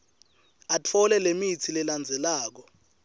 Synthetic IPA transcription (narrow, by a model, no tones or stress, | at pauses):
at͡fʰɔlɛlemit͡sʰilɛland͡zʱɛlaːk̬ɔ